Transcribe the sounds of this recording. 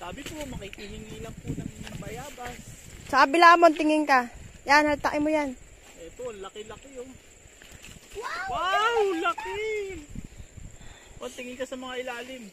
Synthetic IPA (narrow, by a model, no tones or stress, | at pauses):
saːbɪpomɐkɪkɪɦɪŋilɐŋponɐŋnɐŋbɐjaːbassɐaʔɐbɪlaʔɐmont̪ɪŋɪŋkajanhɐlt̪aʔɪmojan | ʔɛt̪oɐnlɐkɪlɐkɪjoŋ | wawawlɐkɪ | oʔɐnt̪ɪŋɪŋkɐsɐmɐŋaʔɪlaːlɪm